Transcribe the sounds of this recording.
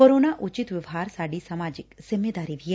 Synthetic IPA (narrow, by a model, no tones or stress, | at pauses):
koːɾoːnaʔʊt͡ʃɪt̪ʋɪʋɦaːɾsaːɖisamaːd͡ʒɪksɪmed̪aːɾiʋiɛ